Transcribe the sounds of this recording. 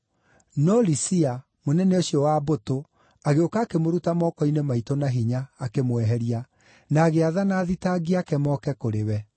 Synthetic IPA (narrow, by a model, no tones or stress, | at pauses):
nɔlisia | monɛneoɕiɔwaboto | aɣeokaːkemoɾutamɔkɔinemaitonaɦiɲaːkemwɛɦɛɾia | naːɣeaðanaːðitaɡiakɛmɔkɛkoɾewɛ